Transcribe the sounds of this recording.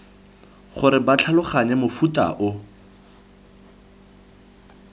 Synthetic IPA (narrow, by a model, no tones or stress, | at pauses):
χʊɾɪbat͡ɬʰalʊχaɲɛmʊfuta̰ʔʊ